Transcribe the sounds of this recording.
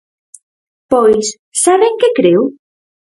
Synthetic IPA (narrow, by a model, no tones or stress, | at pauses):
pɔjs | saβeŋkekɾew